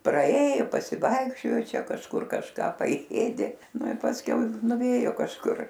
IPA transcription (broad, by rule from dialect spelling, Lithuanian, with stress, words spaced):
prɐˈeːjʊ pɐsʲɪˈʋɐɪkʃʲt͡ʃʲoːjoː ˈt͡ʃʲɛ kɐʃˈkʊr kɐʃˈkɑː pɐˈeːdʲeː ˈnʊ ɪ pɐsʲˈkʲɛʊ nʊˈʋʲeːjoː kɐʃˈkʊr